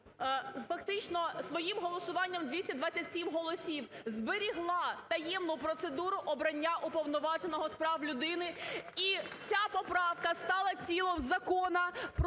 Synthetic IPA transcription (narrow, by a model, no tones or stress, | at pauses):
fɐkt̪ɪt͡ʃnɔsʋɔjimɦɔlˠɔsʊʋɑnʲːɐmd̪ʲʋʲisʲtʲɐd̪ʋat͡sʲɐtʲsʲimɦɔlˠɔsʲiwzbeɾʲiɦlˠɑt̪ɐjɛmnʊpɾɔt̪sed̪uɾʊʔɔbɾɐnʲːaʔupɔwnɔʋɑʒenɔɦɔspɾɑwlʲʊd̪ɪnɪit͡sʲapɔpɾɑwkɐst̪ɑlˠɐt͡sʲilˠɔmzɐkɔnɐp